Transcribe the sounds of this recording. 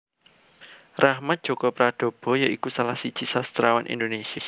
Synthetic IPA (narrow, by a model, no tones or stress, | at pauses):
rahmat̪̚d̥ʒ̥o̤kɔpɾad̥o̤b̥ɔ̤jaʔikusalahsid̥t͡ʃisast̪ɾawanʔḭndonesia